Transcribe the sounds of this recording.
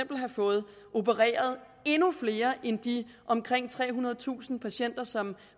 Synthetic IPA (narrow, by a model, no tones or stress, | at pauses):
m̰b̥l̩ɦɑ̈fɔ̽ːð̞̩ˠ | ʔo̝bəʁɛ̰ːɐð̞̩ˠ | e̝nufle̝ːɐʔend̥i | ʔɒ̽mkʰʁeŋ̰t͡sʰʁɛ̰ːɦunɐð̞̩ˠt͡sʰṵːsn̩pʰæɕen̰d̥ɐsɒ̽m